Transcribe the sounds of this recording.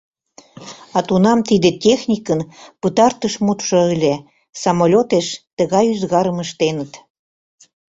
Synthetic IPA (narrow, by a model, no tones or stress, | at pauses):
ɑt̪unɑmt̪id̪etʲexnʲikənpət̪ɑrt̪əʃmut̪ʃoəlʲe | sɑmolʲot̪eʃt̪əɣɑjyzɣɑɾəməʃt̪enət̪